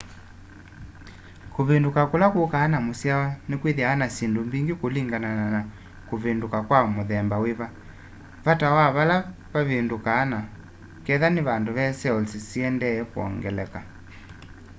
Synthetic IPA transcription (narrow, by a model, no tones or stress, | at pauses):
koβendukakolakokaːnamosiawanekwiðiaːnasindombiŋɡikoliŋɡananana | koβendukakwamoðɛmbaweβa | βatawaβala | βaβendukaːna | kɛðaneβandoβɛsɛɔlsisiɛndɛɛkoɔ̰ŋɡɛlɛka